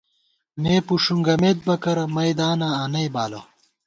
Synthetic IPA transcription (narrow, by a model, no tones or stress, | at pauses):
neːpuʂuŋɡɐmeːt̪̚bɐkɐɾɐmɐjd̪aːnaanɐjbaːlo̰